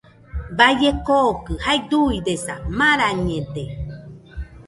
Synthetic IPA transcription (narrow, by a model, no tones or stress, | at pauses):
bajekokɨhajd̪uidesamãɾaɲẽde